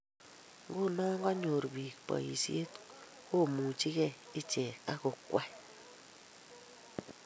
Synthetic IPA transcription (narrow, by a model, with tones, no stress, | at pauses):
ŋɡu˦˨nɔ˦ŋ˦ɡɔ˦ɲo˨ɾbi˨kpɔ̰˨ḭ˨si˦e˦t | ko˦˨mu˨t͡ʃi˦kɛ˦˨ | i˦t͡ʃɛ˨ka˦ku˨kwa˦